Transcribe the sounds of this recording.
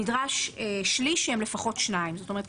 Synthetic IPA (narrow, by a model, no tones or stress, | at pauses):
idʁaʃeʃliʃɛmlefaχo̞tʃnaimzot̪ome̞ət